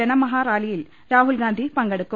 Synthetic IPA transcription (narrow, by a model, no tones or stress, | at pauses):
ɐnɐmɐɦaːɾaːlijil | ɾaːɦulɡaːnd̪ʱipɐŋɡɐɽɯkːu